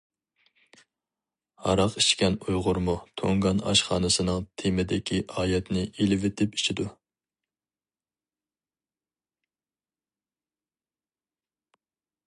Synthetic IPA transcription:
hɑ̰ɾɑqiʃkʲɛnujʁʊɾmut̪ʰoŋɡɑnɑ̰ʃχɑ̰ːnɨsɨnɨŋt̪ʰemɪd̪ɪkʲʰiʔɑːjɛt̪nɪʔilɪvet̪ʰɪpi̥t͡ʃʰid̪u

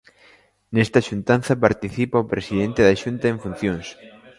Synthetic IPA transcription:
nest̪aʃunt̪an̟θɐpaɾt̪iθipɐopɾesiðent̪eðaʃunt̪ɐeɱfun̟θjoŋs

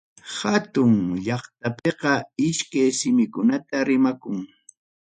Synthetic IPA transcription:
hat̪ʊŋʎɑχt̪apeqɑɪʃkajsɪmɪkʊnat̪aɾɪmakʊŋ

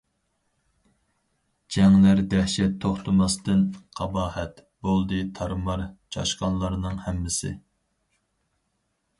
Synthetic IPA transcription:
d͡ʒɛŋlæɾd̪ɛhʃɛt̪ʰːoχt̪ʰɨmɑst̪ɨnqʰɑbɑːhɛt̪bolˠd̪ɨt̪ʰɑɾmɑɾt͡ʃʰɑ̰ʃqɑnlˠɑɾnɨŋhɛmːɪsɪ̰

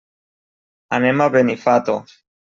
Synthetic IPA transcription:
anemaβenifat̪o

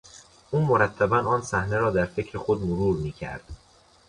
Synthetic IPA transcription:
ʔuːmoɾæt̪ʰːæbænɒːnsæhne̞ɾɒːd̪æɾfe̞cʰɾexod̪moɾuːɾmiːcʰæ̰ɾd̪̥

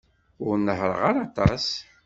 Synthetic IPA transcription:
ʊɾnːəɦɾˤə̰ʁaɾɑt̪ˤɑs

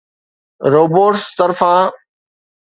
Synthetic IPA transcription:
ɾoːboːʈst̪əɾfãː

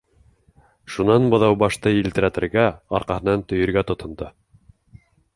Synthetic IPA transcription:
ʃunɑnbɤ̆ðɑwbɑʃt̪ɤilt̪ɘ̆ɾæt̪ɘ̆ɾɡæɑ̰ɾqɑhɤ̆nɑnt̪ɵ̆jɘ̆ɾɡæt̪ŏt̪ʰɤ̆nd̪ɤ

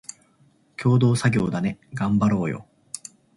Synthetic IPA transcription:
kʲo̞ːd̪o̞ːsaɡʲo̞ːd̪ane̞ɡãmbaɾo̞ːjo̰

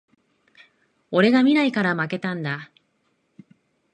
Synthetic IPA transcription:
o̞ɾe̞ɡamʲinaikaɾamake̞t̪ãnd̪a

